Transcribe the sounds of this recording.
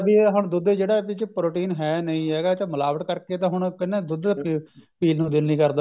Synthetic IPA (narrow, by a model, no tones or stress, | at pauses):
biːɦʊɳd̪ʊd̪eːd͡ʒeːɽaːpɪt͡ʃpɾoːʈiːnɦɛːnəĩːɦɛːɡaːt͡ʃaməlaːʋəʈ̪kəɾkeːt̪ãːɦʊɳ̃kɪnːeːd̪ʊd̪kipiːlnũːd̪ɪnnĩːkəɾd̪aː